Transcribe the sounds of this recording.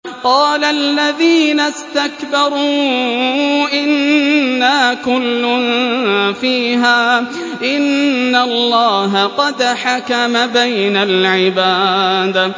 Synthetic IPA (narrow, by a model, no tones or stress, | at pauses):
qɑːlaʔlːaðiːnast̪akbɑɾˤuː | ʔɪnːaːkʊlːʊnfiːɦaː | ʔɪnːalːɑːɦaqɑd̪ħakamabajnalʕɪbaːd̪